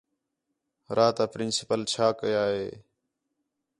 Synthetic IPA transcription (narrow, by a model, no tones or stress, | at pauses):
ɾaːt̪aːpɾɪnsɪ̥pəlt͡ʃʰaːkəjaːɦḛː